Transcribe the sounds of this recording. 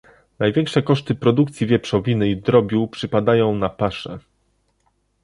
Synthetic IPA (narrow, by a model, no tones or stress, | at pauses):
najvʲjɛŋkʂɛkɔʂt̪ɘpɾɔd̪ukt̪sʲivʲjɛpʂɔvʲinɘid̪ɾɔbʲjupʂɘpad̪ajɔ̃w̃napaʂɛ̰